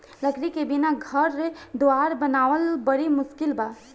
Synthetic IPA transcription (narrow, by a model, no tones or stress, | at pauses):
ləkɾikebinaɡʱəɾːed̪oaːɾbənaːʋəlbəɽimʊskɪlbaː